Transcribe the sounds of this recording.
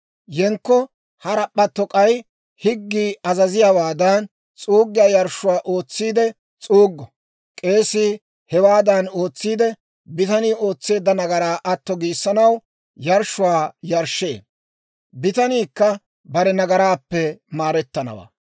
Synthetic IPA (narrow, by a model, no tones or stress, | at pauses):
jɛŋkːɔ | hɐɾɐpːɐt̪ːɔkʼɐj | hɪɡːiːɐzɐzɪjawaːd̪ɐn | t͡sʼuːɡːɪjaːjɐɾʃʊwaːʔo̞ːt͡sːiːd̪ɛ | t͡sʼuːɡːɔ | kʼe̞ːsːɪ | hɛwaːd̪ɐno̞ːt͡sːiːd̪ɛ | bɪt̪ɐniːo̞ːt͡sːe̞ːd̪ːɐnɐɡɐɾaːʔɐt̪ːɔɡiːsːɐnɐw | jɐɾʃːʊwaːjɐɾʃːe̞̰ː | bɪt̪ɐniːkːɐ | bɐɾɛnɐɡɐɾaːpːɛmaːɾɛt̪ːɐnɐ̰wa̰ː